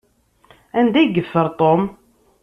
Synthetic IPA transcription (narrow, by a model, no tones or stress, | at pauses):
ænd̪æjɡəfːəɾˤt̪ˤom